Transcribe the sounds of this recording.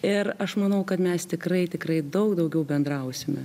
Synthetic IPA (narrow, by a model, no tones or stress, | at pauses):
ɪɾɐʃmɐnɐʊkɐt̪mʲɛst̪ʲɪkrɐɪt̪ʲɪkɾɐɪd̪ɐʊkd̪ɐʊɡʲɛʊbʲɛnd̪ɾɐʊsʲɪmʲɛ